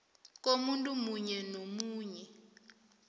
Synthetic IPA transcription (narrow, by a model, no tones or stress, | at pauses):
k̬omuntʼumuɲɛnomuːɲɛ